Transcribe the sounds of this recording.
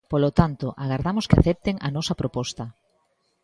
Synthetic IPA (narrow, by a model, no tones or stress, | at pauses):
polot̪ant̪oʔaɣaɾðamoskɪa̰θɛp̚t̪eŋɐ̰nɔsɐpɾopɔst̪ɐ